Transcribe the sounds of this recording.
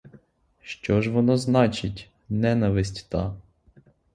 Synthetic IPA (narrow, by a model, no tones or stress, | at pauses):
ʃt͡ʃɔʒʋɔnɔznɑt͡ʃɪtʲ | nɛnɐʋɪsʲtʲt̪ɑ